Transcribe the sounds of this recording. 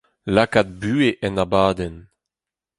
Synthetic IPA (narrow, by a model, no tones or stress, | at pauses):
lakat̪̚byːeʔɛnabaːd̪ɛn